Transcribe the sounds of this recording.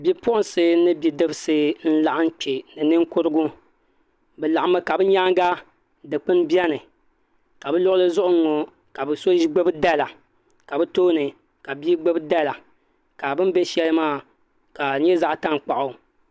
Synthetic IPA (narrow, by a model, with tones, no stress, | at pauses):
bi˦pʊ˦ʊ˦n˨sɨ˦nɨ˦bi˨dɨ˦bɨ˨sɨ˦n̩˦la˨ʔɨ˦n˦k͡pe˨nɨ˨nɨ˦ŋ˦kʊ˦ɾɨ˦ɡʊ˦ | bɛ˨la˨ʔa˨mɨ˦ka˨bɨ˦ɲa˦ŋɡa˦ | dɨ˨k͡pɨ˦n˦bi˦ɛ˦nɨ˨ | ka˨bɛ˦lʊ˦ʔʊ˦lɨ˦zʊ˦ʔʊ˦ŋ˦ŋo˨ | ka˨bɨ˨so˦ʒi˦ɡ͡be˦bɨ˦da˦la˨ | ka˨bɨ˦toː˦nɨ˨ | ka˨bi˦ɡ͡be˦bɨ˦da˦la˨ | ka˨bɨ˦m˦be˦ʃɛ˦lɨ˦maː˦˨ | ka˨ɲɛ˦za˦ʔta˦ŋ˨k͡pa˨ʔʊ˨